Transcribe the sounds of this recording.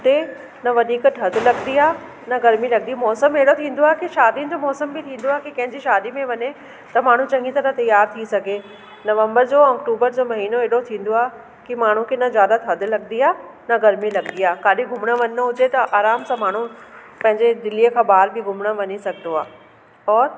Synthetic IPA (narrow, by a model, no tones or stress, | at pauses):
ʊt̪e | nɐʋɐd̪ʱiːktʰɐd̪ʱɪlɐɡnd̪iaːɦ | nɐɡɐɾmilɐɡd̪imɔːsəmeːɽot̪ʰĩːn̆d̪oaːɦekiʃaːd̪inɪ̆d͡ʑoːmɔːsəmbɪt̪ʰĩːnd̪oaːɦekikɐ̃ɦɪ̃ɲd͡ʑiʃaːd̪imẽʋɐɲe | t̪ɐmaːɳ̤ũt͡ɕɐ̃ŋɡĩt̪ɐnɐt̪ɐjaːɾt̪ʰisɐɡʱe | nɐʋə̃mbəɾd͡ʑoːɐkʈuːbəɾd͡ʑoːmɐɦiːnoeːɗot̪ʰĩːn̆d̪oaːɦe | kimaːɳ̤ũkʰenɐzjaːd̪at̪ʰɐd̪ʱɪ̆lɐɡniaː | nɐɡɐɾmilɐɡnd̪iaːkaːɗɪɡʱʊmɽ̃əʋɐnnəɦʊd͡ʑet̪ɐʔaːɾaːmsãːmaːɳ̤ũ | pɐ̃ɦɪ̃ɲd͡ʑed̪ɪlijəkʰãːbaːɾbɪɡʱʊmɽə̆ʋɐɲisɐɡʱɪnoaː | ɔːɾ